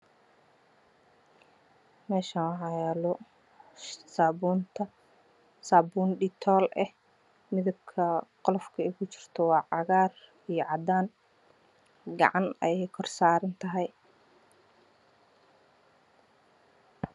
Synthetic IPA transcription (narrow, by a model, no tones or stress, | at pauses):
mɛːʃaːnwɑħɑːjɛːlɔ | saːbuːnt̪ʰɐ | saːbuːnɖɪt̪ʰɔːlʔɛh | mɪðɐb̚kʰɐqɔlɔfkʰɐɛjkʰʊt͡ʃɪ̥r̥t̪ʰɔwɑːʕɑɣaːr | ijɞʕɑd̪aːn | ɡɑ̰ʕɑnɐɛ̰jɛjkʰɔrsaːɾɐnt̪ʰɐɦɛj